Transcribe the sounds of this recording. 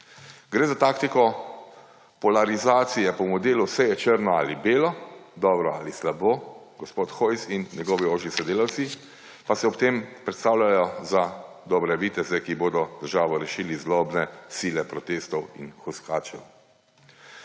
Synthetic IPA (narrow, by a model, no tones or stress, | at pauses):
ɡɾeːzat̪aːkt̪ikɔ | pɔlaɾizaːt̪sijɛpɔmɔd̪eːlusɛjɛt͡ʃəɾnɔaːlibeːlɔd̪ɔːbɾɔa̰ːlislaboːɡɔspoːt̪xoːjsinːɛɡɔːʋioːʒisɛd̪eːlawt̪si | pasɛɔpt̪eːmpɾɛt̪st̪aːwlʲajɔza | d̪ɔbɾɛʋit̪ɛzɛkiboːd̪ɔd̪̥əɾʒaːʋɔɾɛʃiːlizlɔbnɛsiːlɛpɾɔt̪eːst̪ɔwinxɔskaːt͡ʃɛw